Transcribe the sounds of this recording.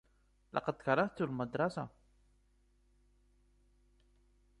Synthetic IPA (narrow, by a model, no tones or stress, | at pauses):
lʔɑ̰qɑd̪kɑɾˤːɑht̪ulmad̪ɾˤɑsa̰